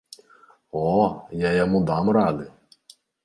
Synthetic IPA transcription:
ɔjajɔmud̪ɑmrɑd̪ɪ

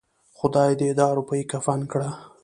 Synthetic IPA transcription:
xʊd̪ɑjd̪əɪd̪ɑaɾupajikafankɽa

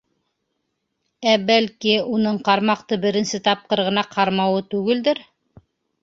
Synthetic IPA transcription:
æbælkiunɤɴqɑɾmɑq̚t̪ɤbɘ̆ɾɘ̆nsɘt̪ɑp̚qɤɾʁɤ̆nɑqʰɑɾmɑwɤt̪ʉɡɘ̆ld̪ɘɾ

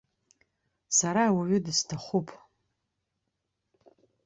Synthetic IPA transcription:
saɾawaɥʏdɨstʰaχʷupʼ

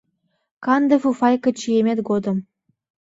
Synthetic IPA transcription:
kɑnd̪ɤfufɑjkɤ̆t͡ɕijemʲet̪ɡod̪ɤ̆m

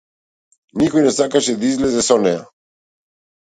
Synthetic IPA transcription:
nikɔjnɛsakaʃɛd̪aizlɛzɛsɔnɛja̰

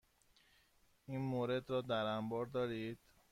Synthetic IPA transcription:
iːnmoːɾe̞d̪ɾɒːd̪æɾæmbɒːɾd̪ɒːɾiːd̪̥

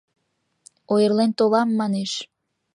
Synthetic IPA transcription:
ojərlent̪olɑmːɑneʃ

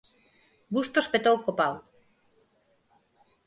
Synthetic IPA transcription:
bust̪ospet̪owkopaw

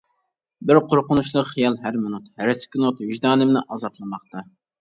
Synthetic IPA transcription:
bɪɾqʰoɾqʊnuʃlˠəqχijɑlˠɦæɾmʊnut̪hæɾɪsɪ̥kʲʰɪnut̪vɪʒd̪ɑːnɨmnɪʔɑzɑplˠɨmɑχt̪ʰɑ

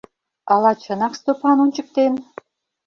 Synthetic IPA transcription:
ɑlɑt͡ɕɤ̆nɑkst̪opɑnunʲt͡ɕə̆k̚t̪en

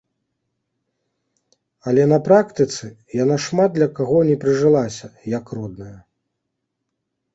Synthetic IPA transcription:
ɐlʲɛnɐpɾakt̪ɨt̪sɨ | janaʂmad̪̚d̪lʲɐkaɣɔnʲɛpɾɨʐɨlˠasʲɐjɐkrɔd̪̚nɐjɐ

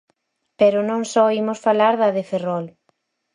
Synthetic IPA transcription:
peɾʊnõŋsɔimʊsfalaɾðɐðeferɔl

